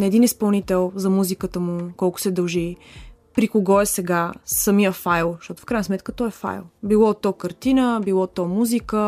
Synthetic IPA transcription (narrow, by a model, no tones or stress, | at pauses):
nɐɛd̪inispɐlˠnit̪ɛlˠzɐmuzikət̪əmukɔlˠkʊ̥sɛd̪ɐlˠʒi | pɾikoɡɔɛsɛɡasəmijəfajlˠʃt̪ɔt̪ʊ̥fkɾajnsmɛt̪kət̪ɔɛfa̰jlˠbilˠɔt̪ːɔkəɾt̪inəbilˠɔt̪ːɔmuzikə